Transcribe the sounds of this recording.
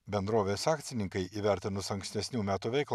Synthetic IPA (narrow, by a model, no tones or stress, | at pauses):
bʲɛnd̪ɾoːʋʲeːsɑːkt̪sʲɪnʲɪŋkɐɪʔiːʋʲæˑɾʲt̪ʲɪnʊsɐŋksʲt̪ʲɛsʲnʲuːmʲæːt̪uːʋʲɛɪklˠ